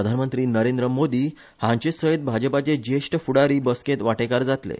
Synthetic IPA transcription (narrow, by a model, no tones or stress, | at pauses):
əd̪ʱanmənt̪ɾiːnəɾẽnd̪ɾəmod̪iː | hãɲt͡ɕesəit̪̚bʱad͡ʑəpat͡ɕed͡ʑeʂʈəfuɽaɾiːbəskẽt̪ʋaʈekaɾd͡zat̪lḛ